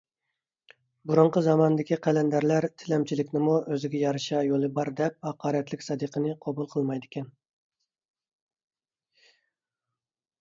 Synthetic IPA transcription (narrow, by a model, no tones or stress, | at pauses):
buɾʊɴqəzɑmɑnɨd̪ɪkʲiqʰælɛnd̪æɾlæɾt̪ʰɪlɛmt͡ʃʰilɪkʲnɪmuʔøzɪɡʲɛjɑɾɨʃɑjolˠɨbɑɾd̪ɛp̚hɑqɑːɾɛt̪lɪkʲsɑd̪ɨqʰənɨqʰɑbulˠqʰəlˠmɑjd̪ɪkʲɛn